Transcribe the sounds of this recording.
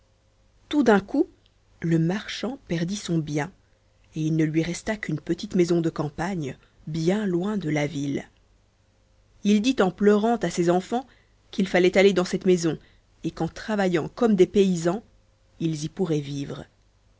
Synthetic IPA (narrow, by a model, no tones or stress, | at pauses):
t̪ud̪ɛ̃ku | ləmaʁʃɑ̃pɛʁd̪isɔ̃bjɛ̃ | eilnəlɥiʁɛst̪akynpət̪it̪mɛzɔ̃d̪əkɑ̃paɲ | bjɛ̃lwɛ̃d̪əlavil | ild̪it̪ɑ̃plœʁɑ̃t̪asezɑ̃fɑ̃ | kilfalɛt̪aled̪ɑ̃sɛt̪mezɔ̃ | ekɑ̃t̪χavajɑ̃kɔmd̪epeizɑ̃ | ilzipuʁɛviːvʁə